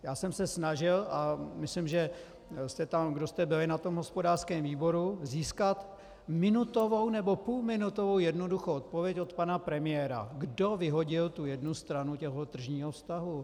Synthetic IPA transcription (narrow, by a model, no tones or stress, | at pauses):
jaːsɛmsɛsnaʒɪlʔamɪslɪmʒɛ | st̪ɛt̪amɡdost̪ɛbɪlɪnat̪o̞mɦo̞spo̞daːrskɛːmviːbo̞ɾuziːskat̪ | mɪnut̪o̞vownɛbo̞puːlmɪnut̪o̞vo̞wjɛdno̞duxowʔot̪po̞vjɛco̞t̪panapɾɛmɪjɛɾa̰ɡdovɪɦo̞ɟɪlt̪ujɛdnust̪ɾanucɛɦot̪r̩ʒɲiːɦofst̪aɦu